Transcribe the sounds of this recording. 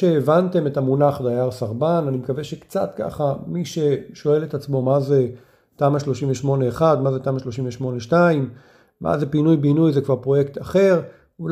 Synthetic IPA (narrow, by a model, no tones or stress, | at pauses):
eːvant̪e̞metamunaχdajaʁsaʁbananimekaveʃe̞kt͡sa̰t̪ka̰χamiʃe̞ʃo̞e̞let̪at͡smo̞maze | taːmaʃlo̞ʃimveʃmo̞ne̞ːχad̪mazet̪aːmaʃlo̞ʃimveʃmo̞neʃtaimː | a̰zepinujbinujzekvaʁpʁo̞jekt̪aχe̞ʁ | ul